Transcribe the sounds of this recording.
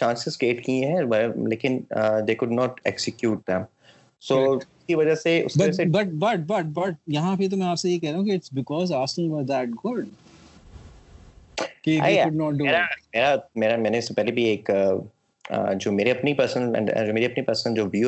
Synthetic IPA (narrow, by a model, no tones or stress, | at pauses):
t͡ʃãːnsɪzkeːʈkiɦɛʋaleːkɪ̃nəd̪eːkʊɖnɔːʈḛksɪkjuːʈ̚d̪ɛ̃m | soːʊskiʋɐd͡ʒaseʊ̰skbɐɐd͡ʒsebɐʈ̚bɐʈ̚bɐʈ̚bɐʈ̚jɐɦãpit̪̬omɛ̃aːpsejekɛɦɾaːɦũkiɪʈsbɪkɔːzaːskɪ̃ŋʋɔɾd̪æʈ̚ɡʊɖ | kiaʊɖnɔːʈ̚ɖueːɾameːɾameːɾamɛ̃ːnesepɛɦlebʱieːkə | ə̰d͡ʒoːmeːɾeɐpnipəɾsə̃nɛ̰̃ɳɖ̰d͡ʒoːmeːɾiɐpnipɐɾsə̃nd͡ʒoːʋjuː